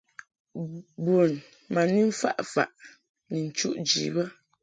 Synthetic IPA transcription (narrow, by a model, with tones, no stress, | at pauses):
bu˨n | ma˨ni˦ɱ̩˦fa̰˦ʔfa̰˨ʔ | ni˨n̩˨t͡ʃu˦ʔd͡ʒḭ˨˦bə˦